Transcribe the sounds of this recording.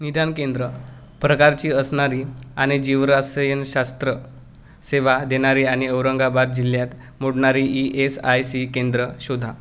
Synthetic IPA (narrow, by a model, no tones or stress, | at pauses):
nid̪ʱankend̪ɾə | pɾəkaɾt͡ɕiːəsɳaɾiːaɽ̃id͡ʑiʋɾasəjənɕast̪ɾə | seʋad̪eɽ̃aɾiaɽ̃iəwɾəŋɡabad̪̚d͡ʑiljat̪ | moɽɳaɾiʔiʔesajsikend̪ɾəɕod̪ʱːa